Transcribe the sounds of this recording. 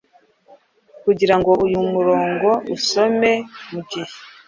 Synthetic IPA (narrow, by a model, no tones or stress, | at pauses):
kuɟiɾaŋɡo̞ʔujumuɾo̞ːŋɡo̞ʔuso̞me̞muɟihe